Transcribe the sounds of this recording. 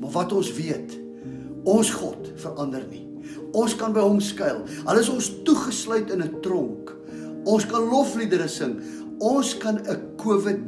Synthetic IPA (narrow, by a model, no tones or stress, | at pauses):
mɐvɐtɔnsviət | ɔnsχɔt | fəɾʔɐndərni | ɔnskɐnbəjɦɔmskɐjlˠɦələs̬ɔnstuχəslœɥtənətrɔŋk | ɔnskɐnlɔflidəɾəsəŋ | ɔnskɐnəkuəvət̚